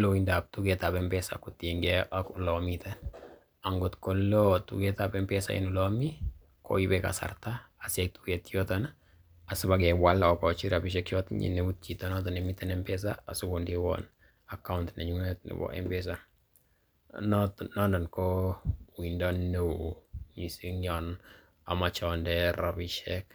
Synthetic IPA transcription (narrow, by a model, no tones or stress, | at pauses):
loindap̚tuɡɛtapɛmpɛsa̰kutiŋɡɛʔakʊlɔmitɛn | aŋɡotkɔlːɔtṵɡɛtapɛmpɛsa̰ḭnulɔmi | kɔ̰ibɛka̰sa̰rtaasɛk̚tuɡɛtjɔtɔna | asɪbakɛwalɔkɔt͡ʃiɾabiʃ̬ɛkjɔtɲḭneut̚t͡ʃitonɔtɔnɛmitɛnɛmpɛs̬aasʊkʊndiwɔ̰n | akaʊntnɛ̰ɲuŋɛtnɪ̰bɔ̰ʔɛ̰mbɛs̬a | nɔtnɔndɔnkɔwindɔnːeɲisiɲɔn | a̰mat͡ʃɔndɛɾabiʃɛk